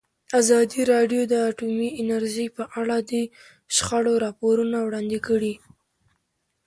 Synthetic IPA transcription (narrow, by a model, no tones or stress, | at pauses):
azɑd̪iɾɑɖjod̪əaʈumiɪnaɾʒəjpəʔaɽad̪ə | ʃxaɽoɾɑpoɾunawɽɑnd̪ɪkəɽi